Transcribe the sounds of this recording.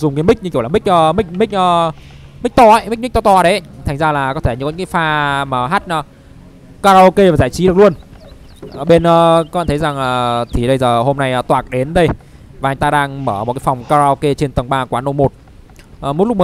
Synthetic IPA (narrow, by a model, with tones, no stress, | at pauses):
zʊ˨˩ŋ͡mkaː˨˦mi˦˥k̚ɲɨ˧kla˨˩mï˦˥k̟̚ʔəː˧mï˦˥k̚mï˦˥k̟̚ʔəː˧ | mi̟˦˥t̪ɔ˧˩ʔə˨˦jmi˦˥k̚mi˦˥k̚t̪ɔ˧t̪ɔ˧˩˨ɗə˨˦t̪ʰa˨˩ŋ̟zaː˧laː˨˩kɔ˨˦t̪ʰe˧˩ɲ˧˩kɨ˦kaː˨˦faː˧maː˨˩ɦaː˦˥t̚ʔəː˨˧˦ | kaː˧zaː˧ke˧vaː˨˩zaː˧˩jt͡ɕi˨˦ɗk̚u˧ənː˧˩ | ɓe˧nʔəː˨˧˦kɔ˧˦ɓaː˧˨t̪ʰə˨˦jza˨˩ŋaː˨˩t̪ʰi˨˩ɗə˧jzəː˨˩ɦo˧mna˧jːt̪waː˨˩k̚ɗe˨˦nɗə˧j | vaː˨˩˨ŋt̪aː˧ɗaː˧ŋməː˧˩mo˨˩kaː˨˦fa˨˩wŋ͡mkaː˧zaː˧ke˧t͡ɕe˧nt̪ə˨˩ŋɓaː˧kwaː˨˦no˧wmo˨˩t̚ | ʔəː˨˩mo˦˥t̚lʊ˦˥k̚əː˨˦